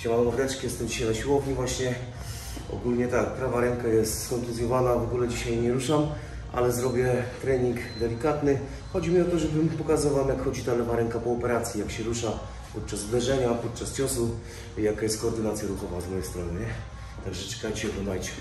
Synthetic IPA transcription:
t͡ɕawawvɾɛt͡ʂkʲijɛst̪ɛmd͡ʑiɕajnaɕiwɔvɲivwaɕɲɛ | ɔ̰ɡulɲɛt̪ak̚pɾavaɾɛŋkajɛst̪skɔnt̪luzʲjɔvanavɔɡulɛd͡ʑiɕajɲɛɾuʂam | ʔa̰lɛzɾɔbʲjɛt̪ɾɛɲiŋkd̪ɛlʲikat̪nɘ | xɔd͡ʑimʲiɔt̪ɔʐɛbɘmpɔkazɨvawmjakxɔd͡ʑit̪alɛvaɾɛŋkapɔɔpɛɾat̪sʲjijakɕɛɾuʂa | pɔt̪̚t͡ʂazvd̪ɛʐɛɲapɔt̪̚t͡ʂast͡ɕɔsu | jakajɛst̪kɔːɾd̪ɘnat̪sʲjaɾuxɔvazmɔjɛjst̪ɾɔnɘɲɛ | t̪aɡʐɛt͡ʂɛ̥kajt͡ɕɛb̪ɔnajt͡ɕɛ̥

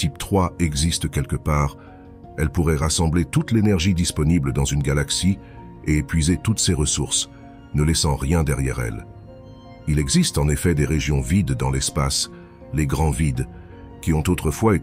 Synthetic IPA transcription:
t̪ipt̪χwaɛɡzist̪kʲɛlkəpaːʁ | ɛlpuʁɛʁasɑ̃blet̪ut̪lenɛʁʒid̪ispɔnibləd̪ɑ̃zynɡalaksi | eːpɥizet̪ut̪seʁəsuʁs | nəlɛsɑ̃ʁjɛ̃d̪ɛʁjɛ̰ʁɛ̰l | ilɛɡzist̪ɑ̃nefɛd̪eʁeʒjɔ̃vid̪ːɑ̃lɛspas | leɡʁɑ̃vid̪ | kʲiɔ̃t̪ot̪χəfwae

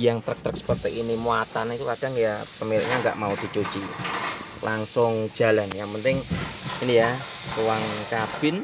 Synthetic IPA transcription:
jaŋt̪ɾək̚t̪ɾək̚sə̥pərt̪əkinimuat̪anit̪uad̥aŋjapəmiɾɪ̰k̚ɲaŋɡa̰ʔmaud̪̥i̤t͡ʃot͡ʃi | laŋsʊŋ̥d͡ʒ̥a̤lanjaŋpənt̪ɪŋinija | suwaŋkab̥ɪ̤n

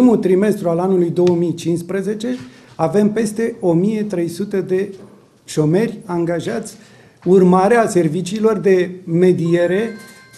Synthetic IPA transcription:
imult̪ɾime̞st̪ɾualanulujd̪o̞wəmijt͡ʃinspɾəze̞t͡ʃe̞ | ave̞mpe̞st̪e̞o̞mije̞t̪ɾe̞jsut̪ed̪e̞ | ʃo̞me̞rʲaŋɡaʒat̪sʲ | urmaɾease̞rvit͡ʃiːlo̞rd̪e̞me̞d̪ije̞ɾe̞

